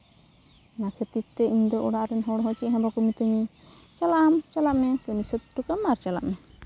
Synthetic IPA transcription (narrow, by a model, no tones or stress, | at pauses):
nakʰet̪it̪ːɛiɲd̪ɔʔɔɽaʔɾɛnɦɔɽɦɔt͡ʃiʔɦɛ̃bakumit̪əɲɛ | t͡ʃalaʔamt͡ʃalaʔmɛkəmisət̪̚ʈukamaɾt͡ʃala̰ʔmɛ